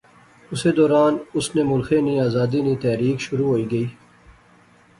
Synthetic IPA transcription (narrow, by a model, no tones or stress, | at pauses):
ʊseːd̪ɔːɾaːnʊsnemʊlxeːniaːzaːd̪iniːt̪ɛːɾiːkʃʊɾuːɦoːiːɡəiː